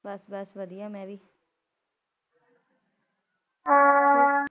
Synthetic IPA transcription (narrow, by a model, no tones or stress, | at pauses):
bɐsbəsʋəd̪ijamɛ̃ːbiː